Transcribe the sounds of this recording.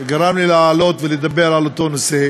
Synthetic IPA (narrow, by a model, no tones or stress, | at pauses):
ɡaɾamlileaːlo̞t̪veled̪abeɾalot̪o̞nose